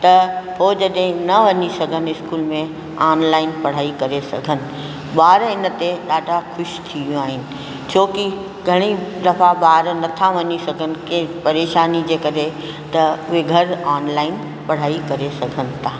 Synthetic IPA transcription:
t̪ɐɦoːd͡ʑɐɗɦɪ̃nɐʋɐɲisɐɡʱənɪskuːlmẽ | aːnlaːɪnpɐɽ̤aːikɐɾesɐ̰ɡʱənɪ̆ | ɓaːɾɪnə̆t̪eɗaːɖʱaxʊʃt̪ʰiʋijũaːɦɪnɪ̆ | t͡ɕʰoːki | ɡʱɐɽ̃id̪ɐfaɓaːɾnɐt̪ʰaʋɐɲisɐɡʱənɪ̆kẽɦpɐɾeːʃaːnid͡ʑeːkɐɾe | t̪ɐʊɦeɡʱɐɾaːnlaːɪn | pɐɽ̤aːikɐɾesɐɡʱənɪ̆t̪ʰaː

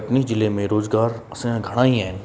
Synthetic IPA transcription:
ʈnid͡ʒɪlemẽɾoːzɡaːɾɐsãɡʱɐɽ̃aːĩɛ̃ːn

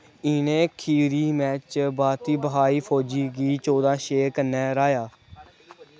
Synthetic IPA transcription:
iːnẽːkʰiːɾiːmɛːt͡ʃbaːt̪iːbəɦaːiːpʰoːd͡ʒiːɡiːt͡ʃoːd̪ãːʃeːkənːɛːɾaːjaː

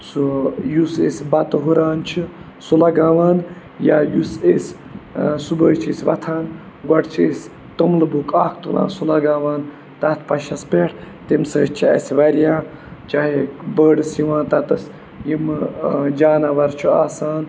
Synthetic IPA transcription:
sujusḛsbɐt̪ɨɦuɾaːnt͡ʃʰi | sulaɡaːʋaːn | jajusesʲ | subəːt͡ʃʰeːsʋɐt̪ʰaːn | ɡɐɽt͡ʃʰeːsʲ | t̪omlɨbukaːkʰt̪ulã̰ːnsulaɡaːʋaːn | t̪ɐt̪̚ʰpɐʃɐspeʈʰ | t̪emsəːt͡ʃʰiɐ̰siʋɐɾjaːt͡ʃaɦibəːɽsiʋãːnt̪ɐt̪ɐs | jimd͡ʒaːnɐʋɐɾt͡ʃʰuaːsaːn

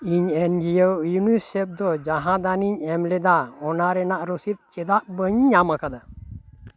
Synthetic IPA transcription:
iɲɛnd͡ʒiɔwjunusːɛp̚d̪ɔd͡ʒaɦãd̪aniɲɛmlɛd̪aɔnaɾɛnaʔɾɔsit̪̚t͡ʃɛd̪aʔbəɲːamakad̪a

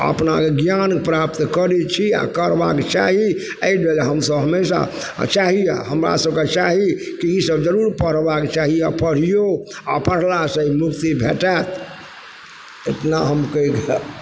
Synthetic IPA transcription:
ə̰pna̰keɡjanpɾapt̪kəɾet͡ʃʰia̰kəɾba̰kt͡ʃa̰ɦi | əiɖeleɦəmsəbɦəmesa̰ | t͡ʃaɦija̰ɦəmɾa̰səbket͡ʃaɦi | kiisəbd͡ʒəɾuɾpəɽ̤bakt͡ʃaɦijapəɽ̤ijoa̰pəɽ̤lasə̃imukt̪ibʱeʈɛt̪ʰ | et̪naɦəmkəiɡ

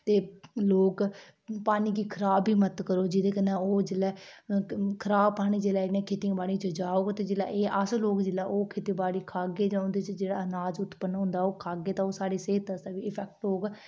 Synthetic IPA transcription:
t̪eːloːk | paːniːkiːkʰəɾaːbːiːmət̪kəɾoːd͡ʒɪd̪eːkənɛ̃ːoːd͡ʒɪlɛː | kʰəɾaːbpʰaːñiːd͡ʒeːlɛːnẽːkʰeːt̪ɪ̃ŋɡbaːɽiːt͡ʃəd͡ʒaːoːɡt̪eːd͡ʒɪlɛ̰ːʔeːʔəsloːkd͡ʒɪlaːʔoːkʰeːt̪eːbaːɽiːkʰaːɡeːd͡ʒãːʊnd̪et͡ʃd͡ʒeːɽaːnaːd͡ʒʊt̪pənɦʊ̃ːnd̪aːoːkʰaːɡeːt̪ãːoːsaːɽeːseːt̪əsaːʋiːɪpʰɛːk̚ʈloːk

